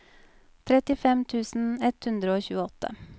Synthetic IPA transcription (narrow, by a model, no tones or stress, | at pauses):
t̪ʰɾɛt̪ɪfɛmt̪ʰʉːsn̩ɛt̪hʉnd̪ɾəoːçʉːəɔt̪ʰə̰